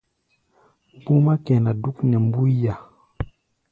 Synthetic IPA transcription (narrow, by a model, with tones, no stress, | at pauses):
pu˦ma˦ke˨na˨du˦knɛ˨mbu˦ja˨